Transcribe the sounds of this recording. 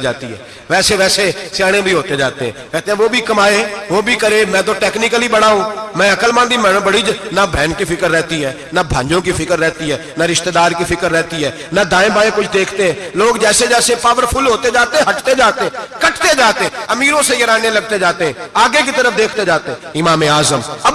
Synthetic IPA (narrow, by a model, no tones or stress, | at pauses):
d͡ʒaːt̪iɦɛ̰ː | ʋɛːseʋɛːsesjaːɽ̃ẽbʱiɦoːt̪ed͡ʒaːt̪eɦɛ̃ːʋɛːt̪eɛ̃ːʋoːbʱiːkəmaːeʋoːbʱiːkəɾeːmɛ̃ːt̪̬õːʈɛːknɪkəliːbəɽaːũːmɛ̃ːəkəlmãːnd̪iːmɛ̃ːnə̃bəɽiːd͡ʒnabʱɛ̃ːnkipʰɪkəɾːɛːt̪iɦɛː | nabʱã̰ːɲd͡ʒõːk̬ipʰɪkəɾːɛːt̪iɦɛː | naɾɪʃt̪ed̪aːɾkifʰɪkəɾːɛːt̪iɦɛː | nad̪ãːẽbʱaːẽkʊt͡ʃʰd̪eːkʰt̪eɦɛ̃ːloːɡd͡ʒɛːsed͡ʒɛːsepaːʋəɾpʰʊlɦoːt̪ed͡ʒaːt̪eɛ̃ːɦɐʈt̪ed͡ʒaːt̪eɛ̃kəʈt̪ed͡ʒaːt̪eɛ̃ɐmiːɾõsejɐɾaːnẽləɡ̚t̪ed͡ʒaːt̪eɦɛ̃ːaːɡek̬it̪əɾəfʰd̪eːkʰt̪ed͡ʒaːt̪eɦɛ̃ɪmaːmeaːzəmɐb